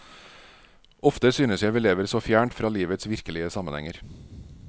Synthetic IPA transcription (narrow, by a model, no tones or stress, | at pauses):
ʔɔft̪əsyːnəsjæɪʋɪːleːʋəɾsɔfjæːɳʈfɾɑːliːʋət̪sʋɪɾkəlɪəsɑmənhɛŋəɾ